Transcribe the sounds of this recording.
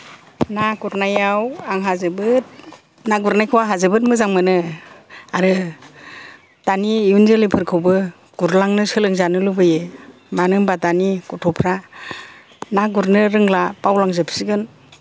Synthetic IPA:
nakuɾnajawaŋɦazɯbɯt̚ | naɡuɾnajkʰɯwaɦazɯbɯt̚mɯzaŋmɯnɯ | aɾɯ | tanijunzɯlipʰɯɾkʰɯwbɯ | ɡ̥uɾlaŋnɯsɯlɯŋzanɯlubɯje | manɯŋbatanikutʰɔpʰɾa | naɡuɾnɯɾɯŋlapawlaŋzɯpʰsiɡɯn

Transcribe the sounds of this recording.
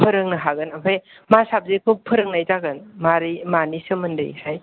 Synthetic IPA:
pʰɯɾɯŋnɐɦaɡɯnapʰaj | masap̚zekʰupʰɯɾɯŋnajzaɡɯnmaɾimanisɯməndɯ̰jhaj

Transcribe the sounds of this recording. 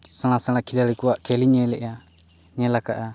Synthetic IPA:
saɽ̃asaɽ̃akʰilaɾikuwaʔkɛliɲɛlɛʔja | ɲɛlakaʔa

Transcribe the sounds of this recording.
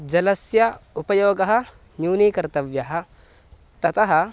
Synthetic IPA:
d͡ʒɐlɐsjɐupɐjoːɡɐɦɐ | njuːnikɐɾt̪ɐʋjɐɦɐ | t̪ɐt̪ɐɦɐ

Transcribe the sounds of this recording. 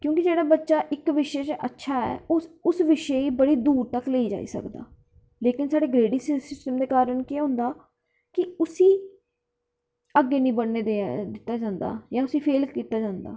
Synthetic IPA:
kjõːkid͡ʒeːɽaːbətːʃaːʔɪkʋɪʃeːt͡ʃə̰tːʃʰaːɛ̰ːʊsʋɪʃeiːbəɽiːd̪uːɾt̪əkleːiːd͡ʒa̰ːḭːsə̰kd̪a̰ː | leːkɪnsaːɽeːɡɾeːɽiːsɪsɪsʈəmd̪eːkaːɾəɳkeɦõːnd̪aː | kɪʊsĩː | əɡːeːnĩːbəɽneːd̪ed̪ɪt̪ːaːd͡ʒãːnd̪a̰ːjãːʊsiːpʰeːlkiːt̪aːd͡ʒãːnd̪a̰ː

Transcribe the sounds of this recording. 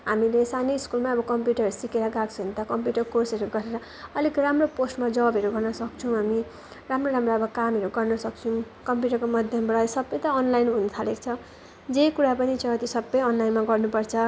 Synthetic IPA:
ɦamilesaniiskulmaʌbʌkʌmpjuʈʌʌɾusikeɾʌɡaɡt͡sʰʌɦunt̪ʌkʌmpjuʈʌrkorsʌɾuɡʌɾeɾʌ | ʌlikramroposʈmad͡zʌbʌɾuɡʌrnʌsʌk̚t͡sʰuw̃ɦami | ramroɾamroʌbʌkamʌɾuɡʌrnʌsʌk̚t͡sʰũ | kʌmpjuʈʌrkomʌd̪ʱjʌmbʌɽasʌbːʌjt̪ʌːnlajnʱunut̪ʰalek̚t͡sʰʌ | d͡zekuɾapʌnit͡sʌʌt̪isʌbːʌjʌnlajnmaɡʌrnupʌrt͡sʰʌ

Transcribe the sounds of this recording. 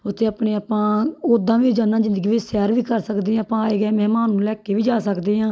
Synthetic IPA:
ʊt̪ʰːeːapneːaːpãːoːd̪ãːʋiːd͡ʒãːnãːzɪnd̪əɡiːʋɪsɛːɾʋiːkəɾsəkd̪eːãːpãːaːeːɡɛːmɛːmaːnːũːlɛːkeːʋiːd͡ʒaːsəkd̪eːɦãː

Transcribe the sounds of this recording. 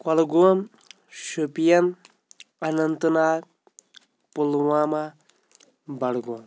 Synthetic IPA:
kɐlɡon | ʃupijɐn | ɐnɐnt̪ɨnaː | pulwaːma | bɐɽɡoːn

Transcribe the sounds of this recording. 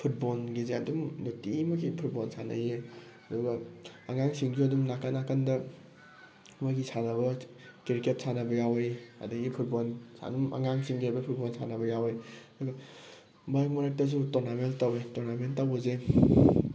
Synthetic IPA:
pʰut̚bolɡizeɐdumnotimɐɡipʰut̚bolsʰanɐ̰je | ɐdɔɡɐːŋaŋsiŋɡiɐdumnakɐnakɐndɐ | maɡisʰanɐβɐ | kiɾiket̚sʰanɐbɐjawejɐ̰dɐɡipʰut̚bolsʰa̰numɐ̰ŋaŋsiŋɡiajbɐpʰut̚bolsʰa̰nɐbɐjawejɐduɡɐ | majkmaɾak̚tɐs̬utonamentawetoɾnamenttawɐze

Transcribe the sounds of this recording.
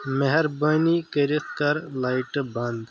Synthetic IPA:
meɦɐɾbɐːnikəɾit̪kɐɾlajʈbɐnd̪

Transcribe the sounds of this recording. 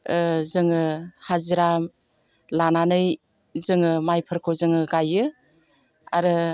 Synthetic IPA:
zɯŋɯhaziɾam | lananɯj | zɯŋɯmajpʰɯɾkʰozɯŋɯɡajɯ | a̰ɾɯ

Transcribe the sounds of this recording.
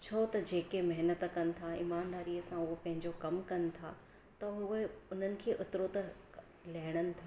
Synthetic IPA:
t͡ɕʰɐt̪ɐd͡ʑeːkemɐɦnət̪kɐnɪ̆t̪ʰaɪ̰maːnd̪aːɾiːəsãʊɦopɐ̃ɦɪ̃ɲd͡ʑokɐmkɐnɪ̆t̪ʰaː | t̪ɐɦʊeʊn̤ənɪ̆kʰeːʔʊt̪ɪɾot̪ɐ | lɐɦɪɽ̃ənɪ̆t̪ʰaː

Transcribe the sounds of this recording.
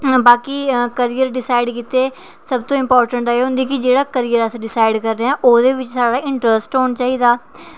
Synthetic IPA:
baːkiːkəɾijəɾɖɪsaːiɖkiːt̪eː | səbt̪õːɪmpɔːɾʈəɳʈeːɦʊ̃nd̪iːkɪd͡ʒeːɽaːkəɾijəɾəsɖɪsaːɪɖkəɾːeãːʔoːd̪eːʋɪt͡ʃsaːɽaːɪɳʈɾəsʈɦoːɳt͡ʃaːiːd̪aː

